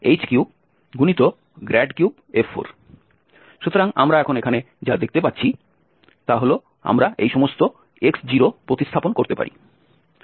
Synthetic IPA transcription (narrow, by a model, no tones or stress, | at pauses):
ejt͡ɕkjub | ɡunit̪o | ɡɾɛɖkjub | efʰo̰ɾ | ʃut̪oɾaŋamɾaɛkʰonekʰane | d͡ʑad̪ek̚t̪epatːɕʰi | t̪aɦolo | a̰mɾaʔejʃɔmost̪o | eksd͡ʑiɾopɾot̪ist̪ʰaponkoɾt̪epa̰ɾʔḭ